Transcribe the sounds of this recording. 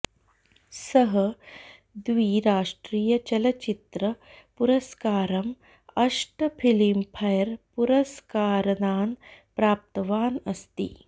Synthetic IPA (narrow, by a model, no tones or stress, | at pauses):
sɐɦɐ | d̪ʋiːɾaːʂʈɾiːjɐt͡ʃɐlɐt͡ʃit̪ɾɐpuɾɐskaːɾɐm | ɐʂʈɐpʰilimpʰɐjɐɾpuɾɐskaːɾɐnaːnpɾaːp̚t̪ɐʋaːnɐst̪ḭ